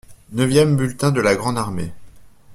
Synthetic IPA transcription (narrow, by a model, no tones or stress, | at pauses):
nəvjɛmbylt̪ɛ̃d̪əlaɡʁɑ̃d̪aʁmḛ